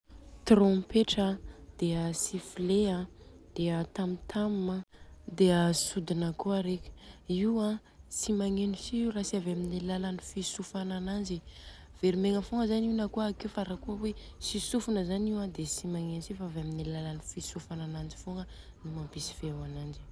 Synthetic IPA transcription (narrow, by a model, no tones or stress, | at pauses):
t̪rõmpeʈ͡ʂad̪̥eəsifileãd̪̥eət̪amit̪ʰamməd̪eəsud̪inəkuaɾekʲə̥iwa | t͡simaŋenisirasiavaminellalanifisufanananzi | v̥eɾimeŋəfoŋəzaniunakuakiwfaɾakuəwe | sisufunəzaniwad̪esimaŋenisifaavaminelialanifisufananand͡ʒi̥foŋə | numampisi̥feawanand͡ʒi̥